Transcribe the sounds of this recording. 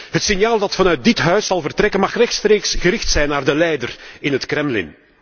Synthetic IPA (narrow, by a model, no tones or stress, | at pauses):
ɦətsɪnjaːlˠdɑtfɑnœɥt̚dɪtɦœɥsɑlˠvərtrɛkənmɑxrɛxtstreːksɣəɾɪxtsɛjnːaːrdəlɛjdərɪnɦətkrɾɛmlɪ̰n